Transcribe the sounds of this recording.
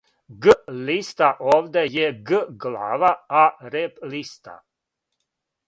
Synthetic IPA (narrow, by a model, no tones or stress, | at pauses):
ɡəlist̪aʔoʋd̪ɛjɛɡəɡla̰vaaɾeplist̪a̰